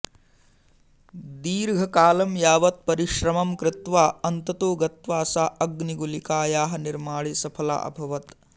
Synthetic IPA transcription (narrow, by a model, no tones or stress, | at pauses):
d̪iːɾɡʱɐkaːlɐmjaːʋɐt̪̚pɐɾiʃɾɐmɐmkɾɪt̪ʋaːɐnt̪ɐt̪oːɡɐt̪ʋaːsaːɐɡniɡulikaːjaːɦɐniɾmaːɭisɐpʰɐla̰ːʔɐ̰bʱɐʋɐt̪